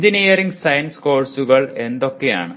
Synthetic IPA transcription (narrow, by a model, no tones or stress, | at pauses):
d͡ʒinijɐɾiŋɡsɐjɐnskoːrsuɣɐɭend̪okːeja̰ːɳɨ